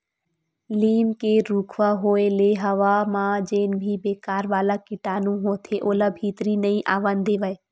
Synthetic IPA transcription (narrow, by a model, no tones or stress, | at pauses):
liːmkeɾuːkʰʋaɦoːeleɦəʋamãd͡ʒeːnbʱibeːkaːɾʋaːlakɪʈaːnũɦoːt̪ʰeʔoːlabʱiːt̪ɾinəĩʔaːʋənd̪eːʋəe